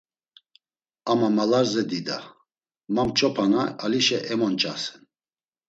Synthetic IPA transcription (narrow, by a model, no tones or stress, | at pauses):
amamalaɾzɛd̪id̪a | mamt͡ʃʼɔpʰanaːliʃɛʔɛmɔnt͡ʃʼa̰sɛn